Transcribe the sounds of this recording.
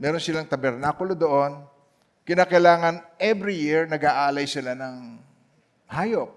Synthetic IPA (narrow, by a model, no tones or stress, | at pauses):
mɛːɾonsɪlaŋt̪ɐbɛɾnaːkʊlod̪oʔo̞n | kɪnaːkɐjlaːŋɐnʔɛvɾijiɹnɐɡaːʔaːlɐjsɪlanɐŋ | haːjop̚